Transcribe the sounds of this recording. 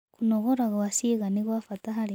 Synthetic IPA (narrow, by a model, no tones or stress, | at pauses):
kunoɣoɾaɣawasiɣaniɣwafataɦali